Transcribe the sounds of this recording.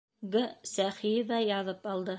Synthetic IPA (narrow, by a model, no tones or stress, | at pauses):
ɡəsæχijɘðɑjɑðɤpɑlˠd̪ɤ